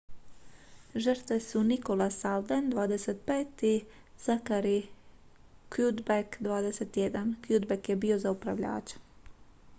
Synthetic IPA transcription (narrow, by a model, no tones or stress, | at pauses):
ʒərt̪ʋesuniko̞lasald̪end̪ʋaːd̪eset̪̚peːt̪i | z̥akaɾi | kjud̪bekd̪ʋaːd̪eset̪jed̪ankjud̪bekjebio̞zaupɾaʋʎa̰ːt͡ʃḁ